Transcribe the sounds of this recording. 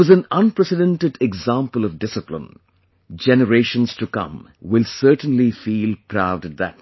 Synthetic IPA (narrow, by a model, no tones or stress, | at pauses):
ʌzæ̃nʌ̃npɹɛsɨdɛ̃nʈɨɖɛɡzãmpəlˠʌvdɪsɨplɪ̰̃n | d͡ʒɛnəɾeɪʃə̃nz̥tukʌ̰̃m | wɪlsɜːʈə̃nlifiːlˠpʰɾaʊdðæ̰t